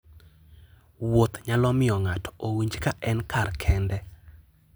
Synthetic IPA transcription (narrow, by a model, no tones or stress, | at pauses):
wot̪ɲalɔmɪɔŋatɔ̥owiɲd͡ʒkaʔɛnkarkʰɛndɛ